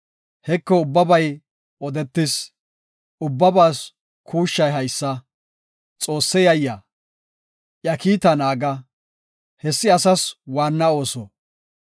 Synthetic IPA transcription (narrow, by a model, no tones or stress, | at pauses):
hɛkːɔʊbːɐbɐj | ɔd̪ɛt̪ːɪs | ʔʊbːɐbaːs | kʰuːʃːɐjɦɐjsːɐ | t͡sʼo̞ːsːɛjɐjːɐ | ʔjɐkiːt̪ɐnaːɡɐ | hɛsːɪɐsɐswaːnːɐo̞ːsɔ